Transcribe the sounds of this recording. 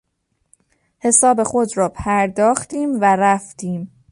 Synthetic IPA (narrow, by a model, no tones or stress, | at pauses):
he̞sɒːbe̞xod̪ɾɒːpʰæɾd̪ɒːxt̪iːmvæɾæft̪iːm